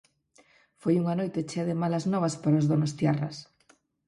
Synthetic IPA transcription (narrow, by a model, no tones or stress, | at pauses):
fojuŋanojt̪et͡ʃeaðemalɐznɔβɐspaɾaozðonost̪jarɐs